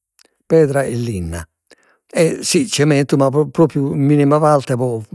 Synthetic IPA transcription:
pɛːðɾaʔɛlːinːa̰ | ɛsit͡ʃːɛmɛnt̪umappːɾɔːpɾjumːinimavalt̪ɛpɔ

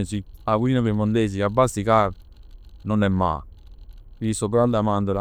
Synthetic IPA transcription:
siawʷinapemond̪eːs̬iabasika | nonɛmːa̰ː | isobɾald̪amand̪ola

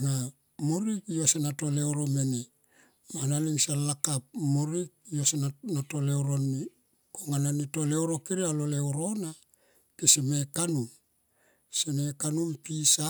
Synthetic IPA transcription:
na | moɾikiosenato̞le̞wɾo̞mene | manaliŋsalakap̚moɾik̚ijosenanatolewɾo̞nːi | koŋananito̞lewɾo̞kiɾialolewɾo̞na | kesemekanun | senekanumpisa

